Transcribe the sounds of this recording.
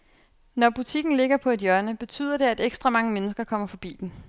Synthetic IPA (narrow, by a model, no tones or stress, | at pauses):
nɒb̥ut͡sʰiɡ̥n̩le̝ɡ̥ɐpʰɒ̽e̝d̥jɶɐnəb̥e̝t͡sʰy̰ːð̰ˠɐd̥e̝æd̥eɡ̥sd̥ʁɑ̈mɑ̈ŋəmenəsɡ̥ɐkʰɒ̽m̰ɐfɒ̽b̥ḭːd̥en